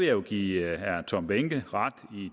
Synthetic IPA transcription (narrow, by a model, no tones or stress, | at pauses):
eoɡ̥iːhæɐt͡sʰɒ̽mb̥eŋɡ̥əʁad̥i